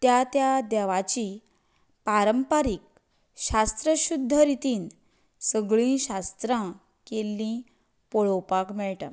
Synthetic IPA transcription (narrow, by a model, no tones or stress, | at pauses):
t̪jat̪jad̪aʋat͡ɕi | paɾəmpaɾik̚ | ɕast̪ɾəɕud̪ʱːəɾit̪iːn | səɡɭĩɕast̪ɾã | kelːĩ | poɭowpakmɛɭʈa̰